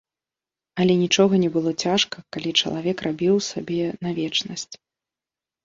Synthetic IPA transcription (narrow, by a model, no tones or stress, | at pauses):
ɐlʲɛnʲit͡ʂɔɣɐnʲɛbɨlˠɔt͡sʲaʂkɐkalʲit͡ʂɐ̰lˠavʲɛkrʔabʲiwsabʲɛnavʲɛt͡ʂnɐsʲt͡sʲ